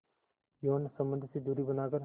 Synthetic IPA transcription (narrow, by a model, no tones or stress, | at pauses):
joːnsəmbə̃nd̪ʱsid̪uːɾiːbənaːkəɾ